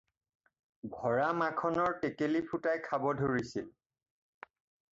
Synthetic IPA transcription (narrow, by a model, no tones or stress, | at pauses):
ɡʱɔɹamakʰɔnɔɹtekelipʰutajkʰabɔdʱoɹisil